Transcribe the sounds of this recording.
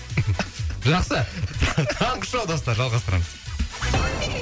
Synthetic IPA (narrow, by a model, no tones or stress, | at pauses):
ʒɑqsət̪t̪ʰɑɴqə̥ʃɑwˠd̪ɑs̬t̪ɑɾʒɑlˠʁɑst̪əɾɑɴəz̥